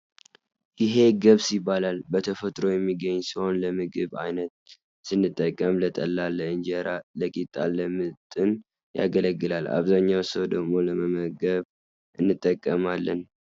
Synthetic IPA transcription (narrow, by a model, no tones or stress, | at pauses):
jɪɦe̞ɡəβsibːalalbət̪ʰəfət̪ʼɾo̞jɛmːiɡəɲːsiho̞nləmɨɡɨβa̰jnət̪̚ | sɨnːɨt̪ʼːəkʼːəmlət̪ʼəlːalːəɨnd͡ʒəɾaləkʼit̪ʼːalːəmɨt̪ʼɨn | ja̰ɡələɡːɨlala̰βzaɲːawsəwd̪əɡmo̞ləməməɡəβ | ʔɨnːɨt̪ʼːəkʼːəmalːən